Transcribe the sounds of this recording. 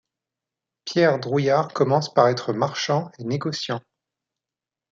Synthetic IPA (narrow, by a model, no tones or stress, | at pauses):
pjɛʁd̪ʁujaʁkɔmɑ̃spaʁɛt̪χəmaʁʃɑ̃eneɡɔsjɑ̃